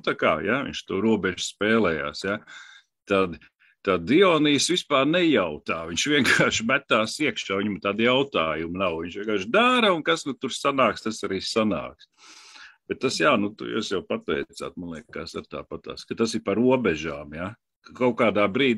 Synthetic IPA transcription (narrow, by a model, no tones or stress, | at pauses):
nut̪aka̰ːjavḭɲʃt̪uːɾuɔbɛʒspɛːlˠɛja̰ːsja | t̪ad̪ | t̪ad̪d̪iɔːniːsʋispaːɾnɛjawt̪aːviɲʃʋʲiɛŋkaaːʃmæt̪aːsiɛkʃaːviɲmt̪ad̪jawt̪aːjumnawviɲʃʋʲiɛŋkaːɾʃd̪aɾɐunkasnut̪uɾsanaːkst̪asaɾiːsana̰ːks | b̥ɛt̪̚ːasjaːnut̪ṵjṵːsjaʊpat̪ɛɪt̪sa̰ːt̪manlˠiɛkkasaɾt̪a̰ːpat̪a̰ːskat̪asipaɾuɔbɛʒaːmja | kkawkaːd̪aːbɾiːd̪